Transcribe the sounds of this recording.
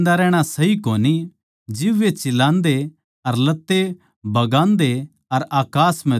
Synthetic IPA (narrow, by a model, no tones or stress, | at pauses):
nd̪aɾɛːɽ̃asɐɦikoːni | d͡ʒɪʋːet͡ʃɪlãːnd̪e | ɐɾlɐt̪ːe | bɐɡãːnd̪e | ɐɾaːkaːsm̤ɛ̃